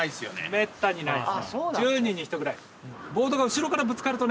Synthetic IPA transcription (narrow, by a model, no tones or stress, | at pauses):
isɨjo̰nḛme̞t̪ːaɲ̟inaisod͡ʑɨːɲ̟ĩɲ̟ːĩçi̥t̪o̞ɡɯɾai | bo̞ːd̪o̞ɡaɯ̟ɕiɾo̞kaɾabɯ̟t͡sɨ̥kaɾɯ̟t̪o̞n